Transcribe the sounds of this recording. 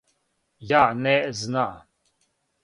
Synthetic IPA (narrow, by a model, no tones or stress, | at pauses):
janeʔzna